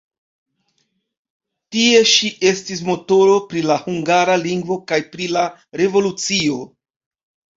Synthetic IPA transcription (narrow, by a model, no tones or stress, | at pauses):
tie̞ʃiʔe̞stis̬mo̞to̞ɾo̞pɾilahuŋɡaɾaliŋɡvo̞kajpɾilaɾe̞vo̞lut͡sio̞